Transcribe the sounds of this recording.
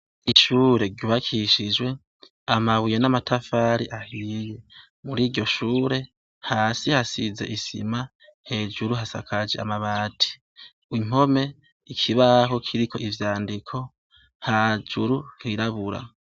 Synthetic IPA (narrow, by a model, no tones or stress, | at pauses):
iʃuːɾe̞ɾɟuːβakʰiʃid͡ʒwe̞ | amaβujenamatʰafaːɾiʔahiːje | muɾiːɾɟo̞ʃuːɾe̞ | haːsihasize̞̰ʔisḭma | he̞ːd͡ʒuɾuɦasa̰kʰad͡ʒea̰maβaːtʰi̥ | wim̥o̞me̞ | ikʰiβaɦo̞kʰiɾiko̞ʔivjaːndikʰo̞ | had͡ʒuɾuhiɾaβuɾa̰